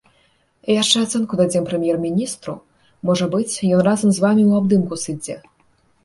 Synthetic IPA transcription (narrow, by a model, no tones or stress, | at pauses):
ijaʂt͡ʂɛat̪sɛnkud̪ad͡zʲɛmpɾɛmʲjɛrmʲinʲist̪ɾu | mɔʐɐbɨt͡sʲjɔnrazɐmzvamʲiwab̚d̪ɨmkusɨd͡zʲɛ